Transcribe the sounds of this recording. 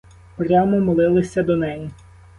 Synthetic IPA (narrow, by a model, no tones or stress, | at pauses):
pɾʲamɔmɔlˠɪlˠɪsʲɐd̪ɔnɛji